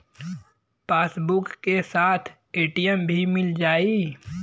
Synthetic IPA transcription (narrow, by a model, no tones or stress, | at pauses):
paːsbʊkːesaːt̪ʰ | eːʈijəmbʱimɪld͡ʒaːiː